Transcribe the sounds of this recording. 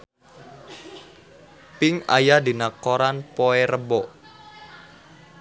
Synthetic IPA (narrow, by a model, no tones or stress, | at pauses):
pɪŋa̰jadi̤nakoɾanpoɛɾəbɔ